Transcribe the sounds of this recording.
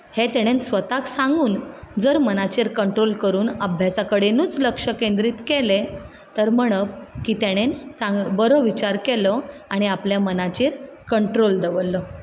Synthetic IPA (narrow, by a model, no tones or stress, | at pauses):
het̪eɽ̃ensʋət̪aksãŋɡuːnd͡zəɾmənat͡ɕiɾkəɳʈɾolkəɾuːnəbʱjasakəɽenuːt͡sləkʂəkend̪ɾiːt̪kele | t̪əɾməɽ̃əp̚kiːt̪eɽ̃ent͡sãŋɡbəɾoʋit͡ɕaɾkɛlɔaɽ̃iapljamənat͡ɕiːɾ | kəɳʈɾold̪əʋəlːɔ